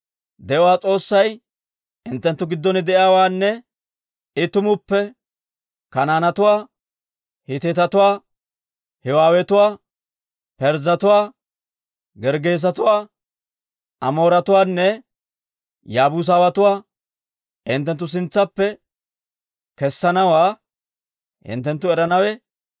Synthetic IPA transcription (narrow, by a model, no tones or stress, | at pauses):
d̪ɛwaːt͡sʼo̞ːsːɐj | ʔɪnt̪ːɛnt̪ːʊɡɪd̪ːɔnɪd̪ɛʔɪaːwaːnːɛ | ɪt̪ʊmʊpːɛ | kɐnaːnɐt̪ʊwaː | hɪt̪eːt̪ɐt̪ʊwaː | hɛwaːwɛt̪ʊwaː | pɛɾzɐt̪ʊwaː | ɡɛɾɡeːs̬ɐt̪ʊwaː | ɐmo̞ːɾɐt̪ʊwaːnːɛ | jaːbus̬aːwɐt̪ʊwaː | ɪnt̪̬ːɛnt̪ːʊs̬ɪnt͡sːɐpːɛ | kɛsːɐnɐwaː | hɪ̰nt̪ːɛnt̪ːʊɛɾɐnɐwɛ